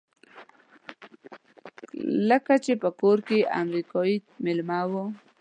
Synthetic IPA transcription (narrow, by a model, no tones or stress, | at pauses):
ləkat͡ʃepəkoɾkea̰mɾikaimɪlmɑwo